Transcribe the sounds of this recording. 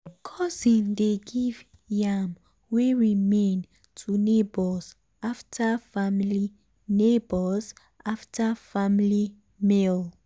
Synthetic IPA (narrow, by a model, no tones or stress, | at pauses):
kʰɔsĩndeɡiv | jam | weɹimẽn | tʰunebɔs | aftʰafamli | nebɔz | ʔaftafamli | mel